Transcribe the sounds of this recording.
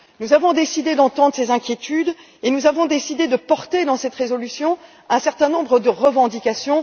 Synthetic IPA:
nuzavɔ̃d̪esid̪ed̪ɑ̃t̪ɑ̃d̪ʁəsezɛ̃kʲjet̪yd̪ | enuzavɔ̃d̪esid̪ed̪əpɔʁt̪ed̪ɑ̃sɛt̪ʁezɔlysjɔ̃ | ɛ̃sɛʁt̪ɛ̃nɔ̃bʁəd̪əʁəvɑ̃d̪ikʲasjɔ̃

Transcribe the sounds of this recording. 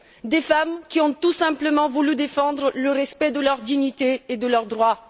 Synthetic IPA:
d̪efamkʲiɔ̃t̪usɛ̃pləmɑ̃vulyd̪efɑ̃d̪ʁələʁɛspɛd̪əlœʁd̪iɲit̪eed̪əlœʁd̪ʁwa

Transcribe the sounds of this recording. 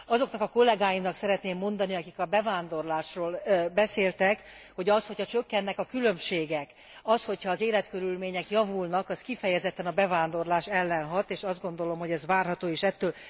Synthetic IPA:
ɒzo̞knɒkɒko̞lːɛɡaːjimnɒksɛɾɛt̪neːmːo̞nd̪ɒniɒkikɒbɛvaːnd̪o̞rlaːʃroːlbɛseːlt̪ɛk | ho̞ɟɒsho̞cʰhɒt͡ʃø̞kːɛnːɛkɒkylø̞mʃeːɡɛk | ɒsho̞chɒːzeːlɛt̪kø̞ɾylmeːɲɛkjɒvulnɒkɒskifɛjɛzɛt̪ːɛnɒbɛvaːnd̪o̞rlaːʃɛlːɛnɦɒt̪eːʃɒzd̪ɡo̞nd̪o̞lo̞mhoɟɛzʋaːrɦɒt̪oːeːʃɛt̪ːøːl

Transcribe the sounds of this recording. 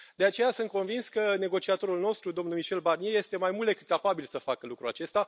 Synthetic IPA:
d̪e̞at͡ʃe̞jasɨnt̪̚ko̞nvinskəne̞ɡo̞t͡ʃiat̪o̞ɾulno̞st̪ɾud̪o̞mnumiʃe̞lbarnije̞je̞st̪e̞majmuld̪e̞kɨ̥t̪̚kapabilsəfakəlukɾuat͡ʃe̞st̪a

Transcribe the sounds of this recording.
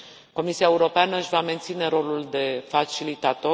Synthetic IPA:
ko̞misiaeuɾo̞panəɨʃʲvame̞nt̪sine̞ɾo̞luld̪e̞fat͡ʃilit̪at̪o̞

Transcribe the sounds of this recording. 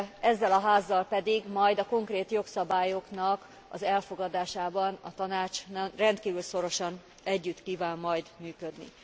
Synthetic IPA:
ɛzːɛlɒɦaːzːɒlpɛd̪iɡmɒjd̪ɒko̞ŋkreːt̪jo̞ksɒbaːjo̞knɒk | ɒ̰zɛlfo̞ɡɒd̪aːʃaːbɒnɒt̪ɒnaːt͡ʃnɛmrɛnt̪kiːvylso̞ɾo̞ʃɒn | ɛɟːyt̪kiːvaːmːɒjd̪myːkød̪nḭ

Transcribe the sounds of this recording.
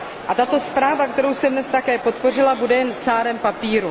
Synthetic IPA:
ʔat̪at̪o̞spɾaːvakt̪ɛɾowst̪ɛdnɛst̪akɛːpo̞t̪̚po̞r̝ɪlabudɛjɛnt͡saːɾɛmpapiːɾu

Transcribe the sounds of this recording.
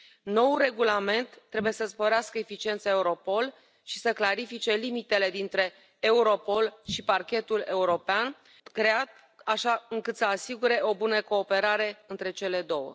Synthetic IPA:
no̞wure̞ɡulame̞nt̪ːɾe̞buje̞səspo̞ɾeaskəefit͡ʃie̞nt̪saeuɾo̞po̞l | ʃi̥səklaɾifit͡ʃe̞limit̪e̞le̞d̪int̪ɾe̞ː | uɾo̞po̞lʃiparkʲe̞t̪ule̞uɾo̞pean | kɾe̞at̪ | aʃaɨŋkɨt̪səasiɡuɾe̞o̞bunəko̞ːpe̞ɾaɾe̞ɨnt̪ɾe̞t͡ʃe̞le̞d̪o̞wə̰

